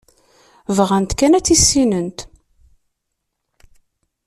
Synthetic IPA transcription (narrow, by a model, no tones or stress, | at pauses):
vʁænt̪kænæt͡sːisːinənt̪